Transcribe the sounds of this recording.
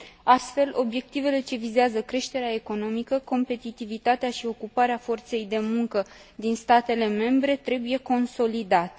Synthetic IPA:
ast̪fe̞lʔo̞bje̞k̚t̪ive̞le̞t͡ʃe̞vizeazəkɾe̞ʃt̪e̞ɾeae̞ko̞no̞mikəko̞mpe̞t̪it̪ivit̪at̪eaʃio̞kupaɾeafo̞rt̪se̞jd̪e̞muŋkə | d̪inst̪at̪e̞le̞me̞mbɾe̞t̪ɾe̞buje̞ko̞nso̞lid̪at̪e̥

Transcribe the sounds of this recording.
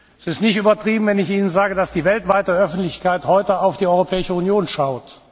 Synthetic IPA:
sɪstnɪçtyːbɐtʁ̥iːbm̩vɛnɪçʔiːnənzaːɡədasd̥iːvɛltv̥aɪtəœfn̩tlɪçkaɪthɔʏtəaʊfd̥iːɔʏʁopʰɛːɪʃəunjoːnʃaʊt

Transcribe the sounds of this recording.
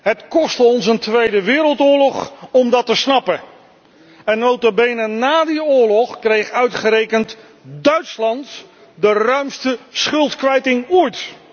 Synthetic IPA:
ɦətkɔstəɔnsəntʋejdəʋɪːɾəlˠtʊːɹlɔχɔmdɑtəsnɑpə | ɛnːowtobejnənaːdiʊːɹlɔχkrejχœɥtχəɾejkənt | dœɥtslɑnt | dərœɥmstəsχɵlˠtkʋɛjtɪŋɔjt

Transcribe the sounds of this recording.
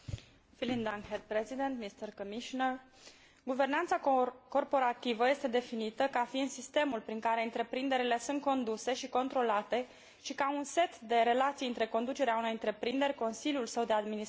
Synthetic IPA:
filind̪anhed̪̚pɾezid̪ent̪mist̪ərkomiʃonər | ɡuve̞rnant̪sako̞rpo̞ɾat̪ivəje̞st̪e̞d̪e̞finit̪əkafiɨnsist̪e̞mulpɾiŋkaɾe̞ɨnt̪ɾe̞pɾind̪e̞ɾile̞sunt̪̚ko̞nd̪use̞ʃiko̞nt̪ɾo̞lat̪e̞ | ʃikaunse̞t̪d̪e̞ɾe̞lat̪sijɨnt̪ɾe̞ko̞nd̪ut͡ʃe̞ɾeauno̞jɨnt̪ɾe̞pɾind̪e̞ɾʲko̞nsiljulsəwd̪e̞ad̪mini

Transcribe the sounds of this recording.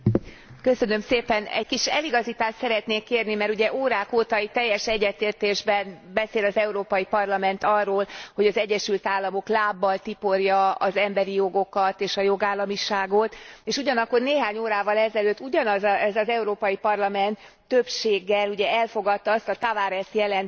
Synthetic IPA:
kø̞sø̞nø̞mseːpɛnɛ̰ckiʃɛ̰liɡɒzit̪aːʃt̪sɛɾɛt̪neːkːeːrnimɛɾuɟɛʔoːɾaːkoːt̪ɒit̪ɛjːɛʃɛɟːɛt̪eːrt̪eːʒbɛnbɛseːlɒzɛuɾoːpɒjipɒrlɒmɛnt̪ɒrːoːlho̞ɟɒzɛɟːɛʃylt̪aːlːɒmo̞klaːbːɒlt̪ipo̞rjɒɒzɛmbɛɾijo̞ɡo̞kɒt̪eːʃɒjo̞ɡaːlːɒmiʃaːɡot̪eːʃuɟɒnɒkːo̞rneːɦaːɲoːɾaːvɒlɛzɛløːt̪ːuɟɒnɒzɛzɒzɛuɾoːpɒjipɒrlɒmɛnt̪ː | øpʃeːɡːɛluɟɛɛlfo̞ɡɒt̪ːɒɒst̪ɒt̪avaːɾɛst̪jɛlɛn

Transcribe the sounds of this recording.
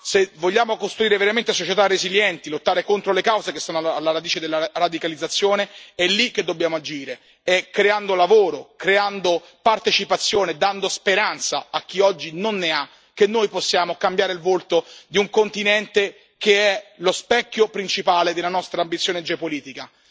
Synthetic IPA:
sevoʎːaːmokost̪ɾuiːɾeveɾament̪esot͡ʃet̪arːeziljɛnt̪ilot̪ːaːɾekont̪ɾolekawzekestɔːnoaaalːaɾad̪iːt͡ʃed̪elːarad̪ikalid̪zːat̪sːjoːneɛlːikːed̪ːobːjaːmoad͡ʒiːɾe | ɛkːɾeand̪olavoːɾokɾeand̪o | part̪et͡ʃipat̪sːjoːned̪and̪ospeɾant̪sa̰ak̟ːiɔd͡ʒːinonːea | kːenːoːjposːjaːmokambjaːɾeilvolt̪od̪iuŋkont̪inɛnt̪e | keɛlospɛkːjopɾint͡ʃipaːled̪elanɔst̪ɾaːmbit̪sːjoːned͡ʒeopoliːt̪ika

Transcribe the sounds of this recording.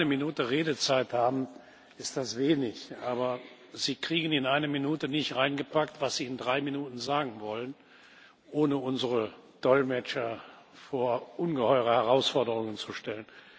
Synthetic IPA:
nəminuːtəʁeːdət͡saɪthaːbm̩ | ɪstd̥asv̥eːnɪçʔaːbɐ | ziːkʁ̥iːɡən̩ɪnʔaɪnəminuːtənɪçtʁaɪnɡəpaktv̥asz̥iːɪndʁaɪminuːtn̩zaːɡŋ̩vɔlən | ʔoːnəʊnzəʁəd̥ɔlmɛt͡ʃɐ | foːɐʔʊnɡəhɔʏʁəhɛʁaʊsfɔɐdəʁʊŋənt͡suʃtɛlən

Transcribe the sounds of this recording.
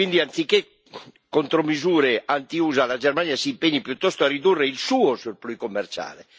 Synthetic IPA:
ind̪iant̪sikːe | kont̪ɾomizuːɾeʔant̪iuːzalad͡ʒɛrmanjasiːmpeɲːipjut̪ːɔst̪oarid̪urːeilsuːosurplujkomːert͡ʃa̰ːle

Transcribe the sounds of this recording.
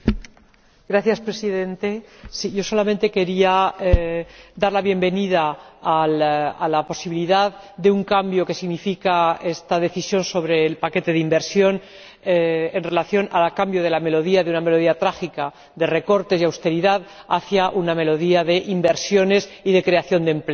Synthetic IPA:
ɡ̥ɾaθjaspɾe̞siðe̞nt̪e̞siʝo̞so̞lamẽnt̪e̞ke̞ɾiaed̪aɾlaβ̞je̞mbe̞niðaːlalapo̞siβiliðað | d̪e̞uŋkambjo̞ke̞siɣnifikae̞st̪aðe̞θisjo̞nso̞β̞ɾe̞ːlpake̞t̪e̞ðimbe̞ɾsjo̞n | eenre̞laθjo̞nalakambjo̞ð̞e̞lame̞lo̞ð̞iaðeuname̞lo̞ð̞iat̪ɾaxika | d̪e̞re̞ko̞ɾt̪e̞siawst̪e̞ɾiðaðaθjaʔuname̞lo̞ðiaðe̞ʔimbe̞ɾsjo̞ne̞siðe̞kɾe̞aθjo̞nd̪e̞mple

